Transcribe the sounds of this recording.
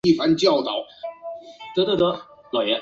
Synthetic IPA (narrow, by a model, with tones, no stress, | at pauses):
i˥˩fa˧˥nt͡ɕjɑ˥˩ʊt̪ɑ˨˩˦ʊ | t̪wt̪wt̪ə˥˩ | lɑ˨˩jɛ˧˥